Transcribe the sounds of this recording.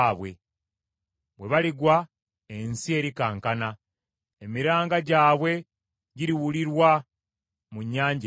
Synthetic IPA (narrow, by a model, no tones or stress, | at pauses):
βwe̞ | βwe̞βaliɡwa | ensie̞ːɾikaːŋkana | emiɾaːŋɡaɟaːβwe̞ | ɟiɾiwuliɾwa | muɲːaːɲɟ